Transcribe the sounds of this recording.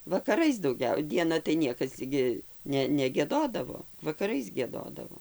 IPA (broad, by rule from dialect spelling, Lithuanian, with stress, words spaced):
ʋɐkɐˈrɐɪs dɐʊˈɡʲɛʊ dʲiɛˈnɐ tɐɪ ˈnʲiɛkɐs ɡʲɪ ˈnʲɛ nʲɛɡʲiɛˈdoːdɐʋoː ʋɐkɐˈrɐɪs ɡʲiɛˈdoːdɐʋoː